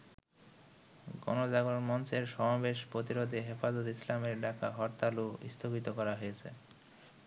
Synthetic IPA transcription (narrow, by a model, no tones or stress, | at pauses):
ɡɔ̰nod͡ʑaɡonmɔnt͡ɕeɾʃɔmabeʃpɾot̪iɾod̪eɦefad͡ʑot̪islameɾɖakaɦɔɾt̪aluḭst̪ʰoɡit̪okɔɾaɦojet͡ɕʰḛ